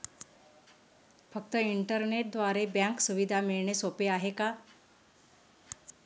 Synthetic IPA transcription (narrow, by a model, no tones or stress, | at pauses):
fək̚t̪əiɳʈəɾneʈ̚d̪ʋaɾebjãŋksuʋid̪ʱamiɭɳesopeaɦeka